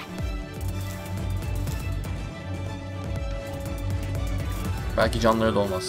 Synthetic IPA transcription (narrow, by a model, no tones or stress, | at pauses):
bælʲcid͡ʒanlˠaɾɯd̪o̞lˠmas